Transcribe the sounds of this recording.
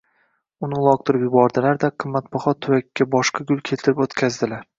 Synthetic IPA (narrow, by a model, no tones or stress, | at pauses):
ʊnɪlˠɒk̚t̪ʰʊɾɪpjʊbɒɾd̪alaɾd̪aqʰɨmːat̪̚bɒχɒt̪ʰːʊwakʲːabɒʃqʰɑɡʊlˠkʲʰelt̪ʰɪɾɪpot̪kʲʰazd̪ɪlaɾ